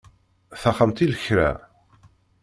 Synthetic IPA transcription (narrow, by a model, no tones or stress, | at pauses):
θæχəmt̪iləçɾæ̰